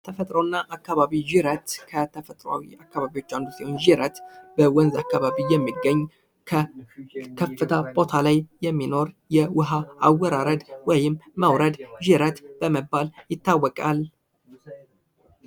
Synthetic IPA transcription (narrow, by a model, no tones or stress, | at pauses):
t̪ʰəfət̪ʼɾownːaʔakːaβaβiʒɪɾət̪kʰət̪ʰəfət̪ʼɾoa̰wḭakːaβaβiwo̞t͡ʃːand̪usihonʒiɾət̪bəwɔnzakːaβaβijɛmːiɡːəɲː | kʰə | kʰəfːɨt̪ʰapʼo̞t̪ʰalajjɛmːino̞ɾ | jɛwʊɦaawːəɾaɾəd̪wɔjɪmːməwɾəd̪ʒɪɾət̪b̥əməbːaljɪt̪ːawːɔkʼal